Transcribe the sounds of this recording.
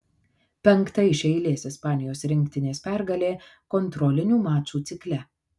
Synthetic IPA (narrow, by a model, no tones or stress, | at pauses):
pʲɛŋˑkt̪ɐɪʃʲɛɪlʲeːsɪspɑːnʲɪjoːsɾʲɪŋʲkʲt̪ʲɪnʲeːspʲæɾɡɐlʲeːkɔnt̪ɾɔlʲɪnʲuːmɑːt͡ʃuːt̪sʲɪklʲɛ